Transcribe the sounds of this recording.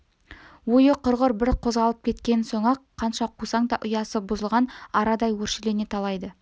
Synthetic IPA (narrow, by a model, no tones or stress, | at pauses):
wojəqʰʊɾʁʊɾbɪɾqʰo̞zʁɑlˠəp̚kʲʰe̞t̪kʲe̞nso̞ɴɑqqʰːɑnʃɑqʰusɑŋd̪ɑʔʊjɑsəbʊzəlˠʁɑnɑɾɑd̪ɑjwɵɾʃele̞ne̞t̪ʰɑlˠɑjd̪ə